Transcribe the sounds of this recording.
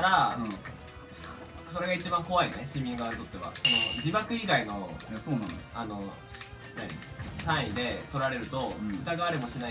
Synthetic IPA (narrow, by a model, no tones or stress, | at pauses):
aɾa | so̞ɾe̞ɡait͡ɕibãŋko̞βaineɕĩmʲːĩŋɡaβaɲit̪o̞t̪ːe̞βa̰so̞no̞d͡ʑibakɯ̟iɡaino̞soːnano̰ano̞ | naɲḭsãĩd̪e̞t̪o̞ɾaɾe̞ɾɯ̟t̪o̞ɯ̟t̪aɡaβɾimo̞ɕina